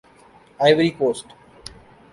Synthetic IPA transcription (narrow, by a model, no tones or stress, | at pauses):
aɪʋəɾiːkoːsʈ